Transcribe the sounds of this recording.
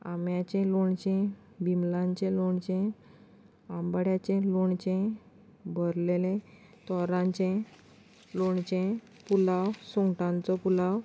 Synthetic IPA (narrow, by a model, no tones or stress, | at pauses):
a̰mjat͡ɕẽloɳt͡ɕẽ | bimlãɲt͡ɕẽloɳt͡ɕẽ | ambɽjat͡ɕẽloɳt͡ɕẽ | bʱəɾlelẽ | t̪ɔɾãɲt͡ɕẽ | loɳt͡ɕẽ | pulawsɔŋɡʈãnt͡sɔpulaw